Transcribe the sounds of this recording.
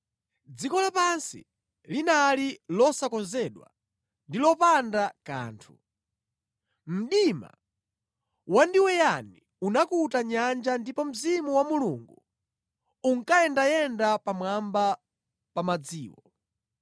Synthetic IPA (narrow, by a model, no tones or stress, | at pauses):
d͡zikɔlapansḭ | linalilɔsakɔnzɛɗwa̰ | ndilɔpandaka̰ːntʰu̥ | m̩ɗima̰ | wandiwɛjani | unakutaɲand͡ʒandipɔm̩zimuwamuluŋɡu | uŋkajɛndajɛndapamwamba | pamad͡ziːwɔ